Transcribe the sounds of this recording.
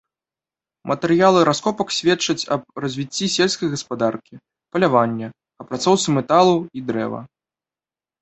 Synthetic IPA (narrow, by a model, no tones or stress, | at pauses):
mʔɐt̪ɛɾɨjalˠɨɾaskɔpɐksʲvʲɛtt͡ʂɐt͡sʲɐb̚rɐzʲvʲit͡sʲːisʲelʲskɐjɣɐspad̪arkʲi | pɐlʲavanʲːɛ | ɐpɾat̪sɔwt̪sɨmɛt̪alˠuid̪ɾɛ̰vɐ̰